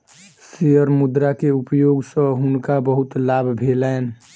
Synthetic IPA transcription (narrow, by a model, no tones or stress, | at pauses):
sijəɾmud̪ɾakeupjoɡsə̃ɦunkabəɦut̪labʱbʱelɛen